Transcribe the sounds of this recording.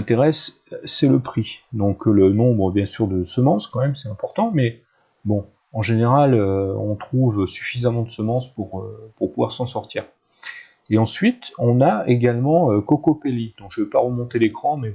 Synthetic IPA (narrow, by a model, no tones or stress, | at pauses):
ɛ̃t̪eʁɛsː | ɛləpχid̪ɔ̃klənɔ̃bʁəbjɛ̃syʁd̪əsəmɑ̃skɑ̃mɛmsɛt̪ɛ̃pɔʁt̪ɑ̃mɛ | bɔ̃ | ɑ̃ʒeneʁaløɔ̃t̪χuvsy̥fizamɑ̃d̪əsəmɑ̃spuʁøpuʁpuvwaʁsɑ̃sɔʁt̪iːʁ | eɑ̃sɥit̪ɔ̃naeɡalmɑ̃økɔkɔpelid̪̥ɔ̃kʒ̥əvepaʁəmɔ̃t̪elekχɑ̃mɛ